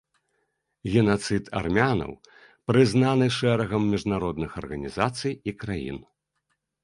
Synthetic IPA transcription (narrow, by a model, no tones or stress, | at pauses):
ɣʲɛnat̪sɨt̪a̰rmʲanɐ̰w | pɾɨznanɨʂɛɾɐɣɐmːʲiʐnaɾɔd̪̚nɨxɐ̰rɣɐnʲizat̪sɨjikɾajḭn